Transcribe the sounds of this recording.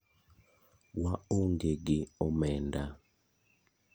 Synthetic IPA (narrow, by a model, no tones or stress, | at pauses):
waoŋɡeɡɪɔmɛnda